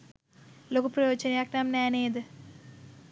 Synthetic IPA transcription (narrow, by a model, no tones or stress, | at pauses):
loːkupɾɐjoːt͡ʃɐnjaknamnaːneːd̪